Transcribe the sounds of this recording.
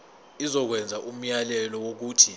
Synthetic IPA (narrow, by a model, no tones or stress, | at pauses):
izɔk̬wɛnd͡zʱaʔum̩jalɛlɔwok̬uːtʰi